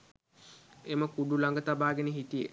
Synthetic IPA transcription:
eməkuɖulaŋɡət̪abaːɡeneɦit̪ijə

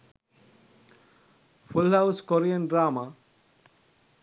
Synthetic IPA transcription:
fulɦawskoɾiənɖɾaːma

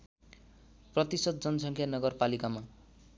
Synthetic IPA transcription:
prʌt̪isʌd̪̚d͡zʌnʌsʌŋkʰjanʌɡʌrpalikama

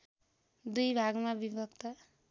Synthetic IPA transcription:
d̪ujbʱaɡmabibʱʌkt̪ʌ

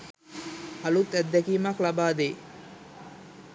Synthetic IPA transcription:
alut̪ːæd̪ːɛkiːmaklabaːd̪eː

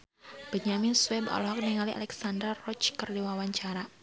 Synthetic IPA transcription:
b̥əɲaminswɛbɔ̰lɔɦɔk̚niŋaliʔa̰lɛksandərɔt͡ʃkərdiwawaɲt͡ʃaɾa

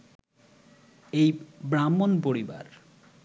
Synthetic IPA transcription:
ejbɾamːonpoɾiba̰ɾ

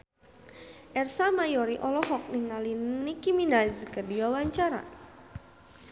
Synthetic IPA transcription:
ʔɛrsamajɔɾiʔɔlɔɦɔk̚niŋalinikiminazkədiwawaɲt͡ʃaɾa̰

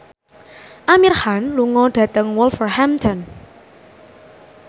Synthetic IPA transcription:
ʔamirhanluŋɔɖ̥ä̤t̪əŋwɔlfɔrhamt̪ʰɔn

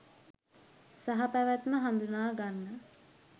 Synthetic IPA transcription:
saɦapæʋæt̪məɦand̪unaːɡanːə

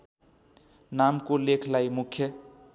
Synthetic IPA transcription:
namkolekʰlaimʊkʰːjə

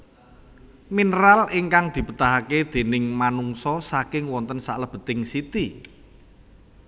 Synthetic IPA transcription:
minəɾalɪŋkaŋd̪̥i̤pət̪aɦaked̪̥e̤nɪŋmanuŋsɔsakɪŋwɔnt̪ənsaʔləb̥ə̤t̪ɪŋsit̪i

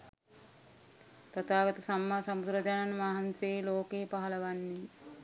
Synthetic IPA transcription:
t̪ɐt̪aːɡɐt̪əsamːaːsɐmud̪ɾɐd͡ʒananʋaɦanseːloːkeːpaɦɐlɐʋanːi

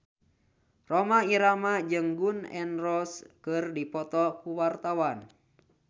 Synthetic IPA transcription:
rɔmaiɾamad͡ʒɨŋɡunɛ̰nrɔskɨrdipɔt̪ɔkuwart̪awan

